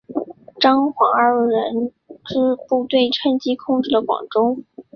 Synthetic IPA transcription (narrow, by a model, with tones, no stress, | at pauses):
ʈ͡ʂɑ˥ŋxwɑ˧˥ə˞˥˧˩ɻə˧˥n | ʈ͡ʂɻ̩˥˧pu˥˧t̪we˥˩ɪʈ͡ʂʰə˥nt͡ɕi˥kʰʊ˥˧ŋʈ͡ʂɻ̩˥˩d̪ə˩kwɑ̰˨˩ŋʈ͡ʂʊ˥ŋ